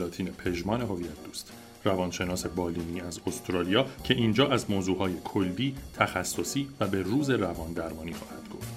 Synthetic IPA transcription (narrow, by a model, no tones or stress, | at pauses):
ɒːt̪ʰiːnepʰe̞ʒmɒːne̞ɦo̞vijæt̪̚d̪uːst̪ | rævɒːnʃe̞nɒːse̞bɒːliːniːæzost̪ɾɒːlijɒːcʰe̞ʔiːnd͡ʒɒːʔæzmoːzuːɦɒːje̞kʰolːiːt̪ʰæxæsːo̞siːvæbe̞ruːze̞rævɒːnd̪æɾmɒːniːxɒːhæd̪̥̚ɡo̞̰ft̪